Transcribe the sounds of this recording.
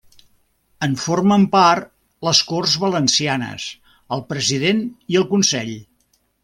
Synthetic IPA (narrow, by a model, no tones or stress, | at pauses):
əɱforməmpart̪ | ləskorzβələnsianə̰s | əlˠpɾəziðeniəlˠkunsɛʎ